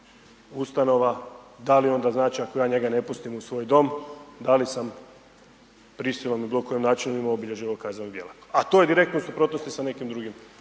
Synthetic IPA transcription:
ust̪ano̞ʋad̪alio̞nd̪aznaːt͡ʃiako̞jaːɲe̞ɡane̞pust̪imusʋo̞ːjd̪o̞md̪alisam | pɾisilˠo̞mibilokojemnaːt͡ʃinumimoobiʎe̞ʒiʋaokazanod̪jelakat̪oje̞d̪iɾe̞k̚t̪nosupɾo̞t̪no̞st̪isane̞kimd̪ɾuɡim

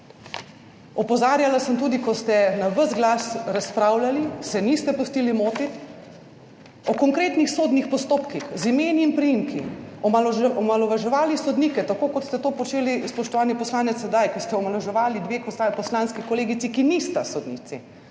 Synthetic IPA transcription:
ɔpɔzaːɾjalasəmt̪uːd̪ikɔst̪ɛnaʋəzɡlaːsɾaspɾawlalisɛnist̪ɛpust̪iːlimoːt̪it̪ | ɔkɔŋkɾeːt̪nixsoːd̪nixpɔst̪oːpkixzimeːniːnpɾijimkʰiɔmalɔmalɔʋaʒɛʋaːlisɔd̪niːkɛt̪akoːkɔt̪st̪ɛt̪oːpɔt͡ʃeːlispɔʃt̪ɔʋaːnipɔslaːnɛt̪sɛd̪ajkist̪ɛɔmalɔʒɛʋaːlid̪ʋeːkɔsapɔslaːnskikɔleːɡit̪sikinist̪asɔd̪nḭt̪si

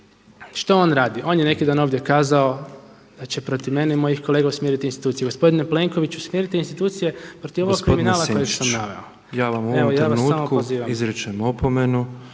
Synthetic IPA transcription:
ʃt̪oo̞ːnɾaːd̪iʔo̞ːnjene̞kid̪aːno̞ʋd̪je̞kaːzao | d̪̥at͡ɕe̞pɾo̞t̪iʋme̞neimo̞jixko̞lˠeɡausmjeɾit̪inst̪i̥t̪uːije̞ɡo̞spo̞d̪ineple̞ŋko̞ʋit͡ɕusmʲjeɾit̪iinst̪it̪uːt̪sije̞pɾot̪iʋo̞ʋoɡkɾiminaaːlakojeɡsamnaʋḛo | jaːʋamuoeooj̪ɾaːʋansuːamokoziːʋamizɾit͡ʃemopomenu

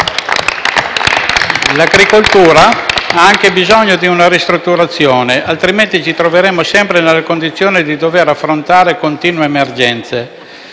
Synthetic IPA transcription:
laɡɾikolt̪uːɾaaaŋk̟ebizɔɲːod̪iunaɾist̪ɾut̪ːuɾat̪sːjoːneʔalt̪ɾiment̪it͡ʃit̪ɾoveɾemːosɛmpɾenelːakond̪it̪sːjoːned̪id̪oveɾafːɾont̪aːɾekont̪iːnweːmerd͡ʒɛnt̪se

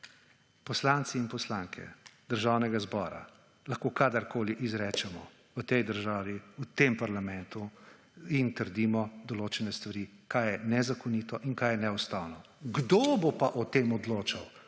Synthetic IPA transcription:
pɔslaːnt̪siːnpɔslaŋkʰɛ̰d̪əɾʒawnɛɡazbɔ̰ːɾa̰ | laxkoːkaːd̪əɾkoːliʔizɾɛːt͡ʃɛmɔ | ʋət̪ɛjd̪əɾʒaːʋiut̪empaɾlamɛnt̪u | int̪əɾd̪iːmɔd̪ɔloːt͡ʃɛnɛst̪ʋaɾiːkajɛnɛzakɔniːt̪ɔʔinkajɛnɛwst̪aːwnɔ | ɡd̪obopaʔɔt̪eːmɔd̪loːt͡ʃaw

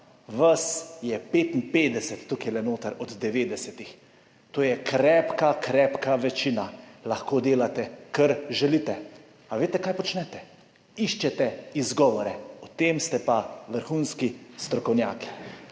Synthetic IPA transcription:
ʋasjɛpeːt̪inpeːd̪ɛsɛt̪ːukjlɛnoːt̪aɾɔd̪d̪ɛʋeːd̪ɛsɛt̪ix | t̪oːjɛkɾɛːpkakɾɛːpkaʋɛt͡ʃiːnalaxkoːd̪eːlat̪ɛkəɾʒɛlit̪ɛ | aʋeːt̪ɛkaːjpɔt͡ʃnɛt̪ɛ | iʃt͡ʃɛt̪ɛizɡɔʋɔɾɛɔt̪eːmst̪ɛpaʋəɾxunskist̪ɾɔkɔwnʲjaːki̥

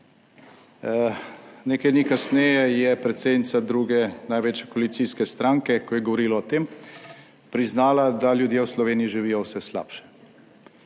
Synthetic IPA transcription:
neːkajd̪nikasnɛːjɛjɛpɾɛt̪seːd̪nit̪sad̪ɾuːɡɛnajʋeːt͡ʃjɛkoɔalit̪siːskɛst̪ɾaŋkɛkɔjɛɡɔʋɔɾiːlɔɔt̪eːm | pɾiznaːlad̪aljud̪jewslɔʋeːnijiʒiʋijɔwsɛsla̰ːpʃɛ̥

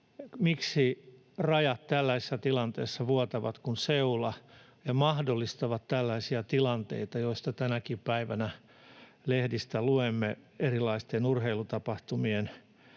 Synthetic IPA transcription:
miksi | rɑjɑt̪t̪ælːæisi̥sːæt̪ilɑnt̪ḛːsːɑʋuot̪ɑʋɑ̰t̪kunseulɑ | jɑmɑhdolːist̪ɑʋɑt̪t̪ælːæisiæt̪ilɑnt̪ḛit̪ɑjoist̪ɑt̪ænækippæiʋænæ | lehdist̪æluemːeerilːˑɑist̪enurheilut̪ɑpɑht̪umien

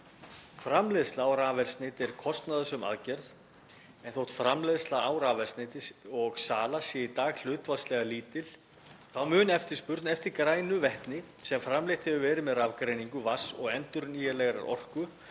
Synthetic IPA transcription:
fɾamlɛðst̪laːwɾaːvɛlsnɪːt̪ɛɾ̥kʰɔst̪naðʏsʏma̰ðcɛɾθ | ɛnθowht̪fɾamlɛðst̪laaːwɾaːvɛlsnɪːt̪ɪsɔɣsaːlasjɛit̪aːɣl̥ʏːt̪vaslɛɣaliːt̪ɪl | θawmʏːnɛft̪ɪ̥spʏɾt̪nɛft̪ɪɾkɾaːjnʏvɛht̪nɪ | sɛmfɾamlejht̪hɛvʏvɛːɾɪmɛðravkɾejniŋkʏvasɔɣɛnt̪ʏɾʏniːjɛlɛɣaɾa̰ɾɔ̰r̥kʏ

